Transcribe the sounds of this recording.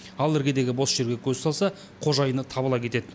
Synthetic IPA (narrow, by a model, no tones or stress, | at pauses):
ɑlˠɪɾɡʲe̞d̪e̞ɡʲɪbo̞sʒ̥e̞ɾɡʲe̞kʲʰɵzsɑlˠsɑ | qʰo̞ʒɑjənət̪ʰɑbəlˠɑkʲʰe̞t̪e̞d̪ɪ